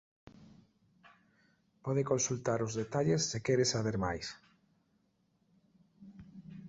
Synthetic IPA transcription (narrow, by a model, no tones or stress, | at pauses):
pɔðɪkonsult̪aɾʊzðet̪aʎesːɪkɛɾɪsaβeɾma̰js